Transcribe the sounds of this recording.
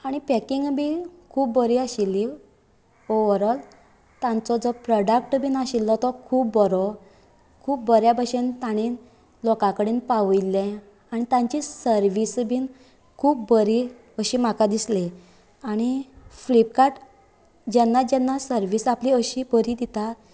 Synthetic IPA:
aɽ̃ipɛkiŋɡbikʰuːpːəɾiaɕilːi | oʋəɾəl | t̪ãnt͡sɔd͡zɔpɾɔɖək̚ʈbʱiːnaɕilːɔt̪ɔkʰuːpːɔɾɔ | kʰuːp̚bəɾjabəɕent̪aɽ̃iːn | lɔkãkəɽiːnpaʋəjlːẽ | aɽ̃it̪ãɲt͡ɕisəɾʋisbʱin | kʰuːpbəɾi | əɕim̤akad̪isle | aɽ̃iflipkaʈ | d͡ʑɛnːad͡ʑɛnːasəɾʋisapliəɕibəɾid̪it̪a

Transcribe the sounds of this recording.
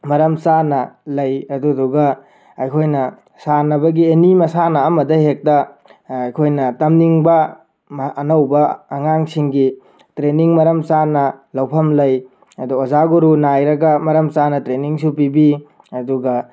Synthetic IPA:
mɐɾɐmsanɐlɐjɐduduɡɐ | ɐjkʰojnɐ | sanɐbɐɡienimɐsanɐːmɐdɐhek̚tɐɐjkʰojnɐtɐmniŋbɐ | mɐnɐwbɐːŋaŋsiŋɡi | tɾeniŋmɐɾɐmsanɐlɐwpʰɐmlɐj | ɐduozaɡoɾunajɾɐɡɐmɐɾɐmt͡ʃanɐtɾeniŋsupibi | ɐduɡɐ

